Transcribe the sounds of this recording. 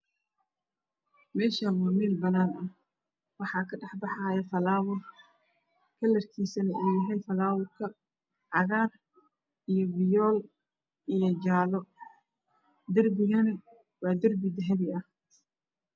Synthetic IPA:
mɛːʃɐwaːmiːlbɐnaːnɐ | wɑħɑːkʰɐɖɑħbɑħɑjɐfɐlaːwʊr | kʰɐlɐrkʰiːsɐnɐʔɛːjɪɦɛjfɐlaːwʊrkʰɐ | ʕɑɣaːr | ijɔwɪjɔːl | ijɔd͡ʒaːlɔ | d̪ɐrbɪɣɐnɐ | wɑːd̪ɐrbɪd̪ɐɦɛβɪɐh

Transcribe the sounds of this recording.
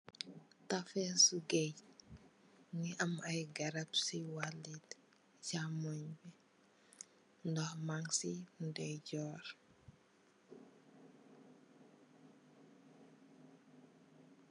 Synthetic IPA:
tɐfɛsuɡɛɟ | ŋiʔɐmɐjɡɐɾapsiwalːit | camɔɲbi | ndɔhmaŋsindɛɟɔːr

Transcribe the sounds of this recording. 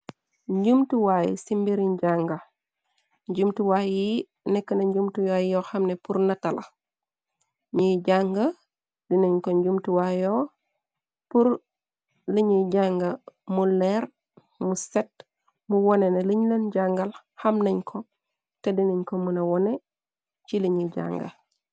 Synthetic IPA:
ɲɟumtuwaj̰simbiɾiɲɟaŋɡa | ɲɟumtuwaji | nɛkːɐnɐɲɟumtujajɔxɐmnepuɾnɐtɐlɐ | ɲiɟaŋɡa | diniɲkoɲɟumtuwajo | puɾ | liɲiɟaŋɡamulːɛɾ | muset̚ | muwɔneneliɲlenɟaŋɡal | hɐmnɐɲkʰo | tediniɲkomunɐwɔne | t͡ʃiliɲiɟa̰ŋɡa̰

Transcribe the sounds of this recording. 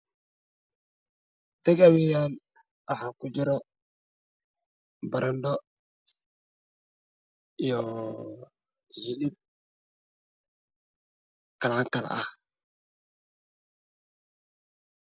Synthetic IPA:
t̪ɛɣɐwɛjaːn | wɑħaːkʰʊt͡ʃɪɾɔ | bɐɾɐnɖɔ | ijɔ | hɪlɪb̚ | kɐlʕaːŋkʰɐlɐ̰ʔɐh

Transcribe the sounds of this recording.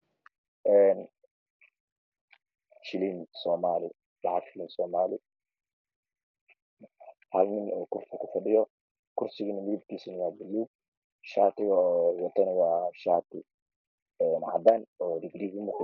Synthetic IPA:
ʔɛːn | ʃɪlinsɔːmaːlɪ | bɑʕɑd̪ʃɪlinsɔːmaːlɪ | halnɪnɔːkʊrsɪkʰʊfɐɖɪjɔ | kʰʊrsɪɣinɐmɪɾib̚kʰiːsʊnɐwɑːbɪlːuːɡ̚ | ʃaːt̪ʰɪɣɔwɐt̪ʰɐnɪwɑːʃaːt̪ʰɪ | ɛːnʕɑ̰b̪anɔːd̪ɪɡɾiːɡimʊk

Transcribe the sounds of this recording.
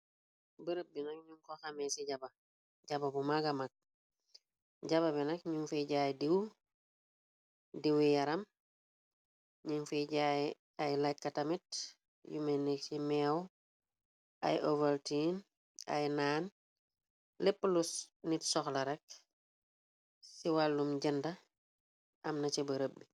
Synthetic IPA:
bəɾəp̚binɐk̚ɲuŋkoxamesiɟaba | ɟababumaɡamak̚ | ɟaβabinɐkɲuŋfeɟaːjdiw | diwijaɾɐm | ɲiŋfiɟa | ajlajt̚katamit | jṵmenːesimɛw | ɐ̰jʔovɐltin | ɐ̰jnaːn | lepːlusnitsɔxlɐɾɛk̚ | siwalːumɟɐndɐ | ɐmnɐt͡ʃebɐɾəbːi

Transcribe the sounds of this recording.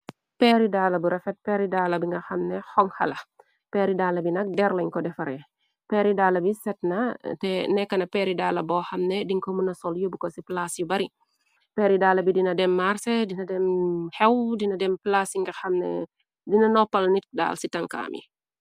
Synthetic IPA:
pɛɾidalɐbuɾɛfɛt̚pɛɾidaːlɐbiŋɡɐxɐmnɛxɔŋxɐ̰lɐ | pɛɾidalɐbinɐk̚dɛrlɐɲkɔdɛfɐɾɛ | pɛɾidaːlɐbisɛt̚natɛnɛkːɐnɐpɛɾidaːlɐbɔxɐmnɛdiŋkomunɐsɔljubukɔsiplasjubɐɾi | pɛːɾidaːlɐbidinɐdɛmːarsɛdinɐdɛmhɛwdinɐdɛmplasiŋɡɐxɐmnɛ̰ | dinɐnɔpːɐlnit̚da̰ːlsitɐŋka̰ːmʔḭ

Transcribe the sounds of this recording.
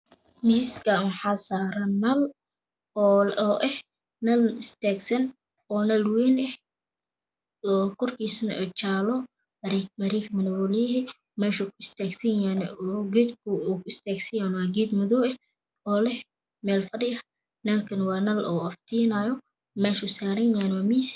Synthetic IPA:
mɪsɪskʰɐwħɑːsaːɾɐmɐl | ɔːʔɛh | nɐlɪst̪ʰaːɡsɐn | ɔːnɐlwɛːnɛh | ɔːkʰɔrkʰiːsnɐ̰ʔɔːt͡ʃaːlɔ | ɐɾɛkmɐɾiːkʰɐmɐnɛwɔlɛɦɛ | mɛːʃʊkʰʊɪst̪aːɡsɐjaːnɔɡɛd̪kʰʊkɪst̪ʰɛːɡsɐjaːnwaːɡɛːd̪mʊðɔɛh | ɔːlɛh | mɛːlfɐɽɪɐ | nɐlkʰɐnwɑːnɐlɔ̰ːɐft̪ʰiːnaːjɔ | mɛːʃʊsaːɾɐjaːnwːmiːs

